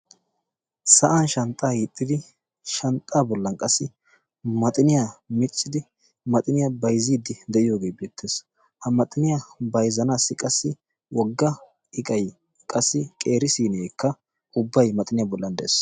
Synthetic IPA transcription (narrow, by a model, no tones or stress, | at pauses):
sɐʔɐnʃɐnt̪ʼːaːhit̪ʼːɪd̪ɪ | ʃɐnt̪ʼːaːbɔlːɐnkʼɐsːɪ | mɐt̪ʼɪnɪjamɪt͡sʼːɪd̪ɪ | mɐt̪ʼɪnɪjɐbɐjziːd̪ɪd̪ɛʔɪjo̞ːɡe̞ːbeːt̪ʰːeːs | hɐmɐt̪ʼɪnɪjabɐjzɐnaːsːɪkʼɐsːɪ | wɔɡːɐ | ɪkʼɐj | kʼɐsːɪkʼe̞ːɾɪsiːnɛekːɐ | ʊbːɐjmɐt̪ʼɪnɪjabɔlːɐnd̪ɛʔeːs